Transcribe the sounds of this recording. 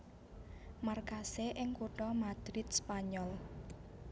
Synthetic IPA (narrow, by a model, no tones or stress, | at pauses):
markaseʔɪŋkuʈɔmad̪̥ɾɪt̪̚spaɲɔl